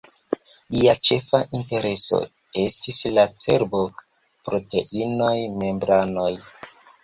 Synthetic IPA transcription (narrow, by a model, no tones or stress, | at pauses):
liat͡ʃe̞faʔinte̞ɾe̞so̞̰ | e̞stislat͡se̞ɾbo̞ | pɾo̞te̞̰ʔino̞jme̞mbɾano̞j